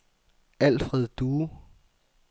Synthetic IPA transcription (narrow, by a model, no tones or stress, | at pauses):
æl̰fʁɛð̰ˠd̥uː